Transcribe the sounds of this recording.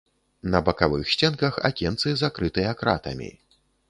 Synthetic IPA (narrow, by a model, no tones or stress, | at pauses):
nɐbɐkavɨxsʲt͡sʲɛnkɐxa̰kʲɛnt̪sɨzakɾɨt̪ɨjɐkɾa̰t̪ɐ̰mʲḭ